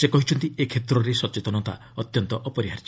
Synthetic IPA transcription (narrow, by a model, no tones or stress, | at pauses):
sekɔɦit͡ʃʰɔnt̪iekʰet̪ɾɔɾesɔt͡ʃet̪ɔnɔt̪a̰ | ɔt̪jɔnt̪ɔʔɔpɔɾiɦaɾd͡ʒɔ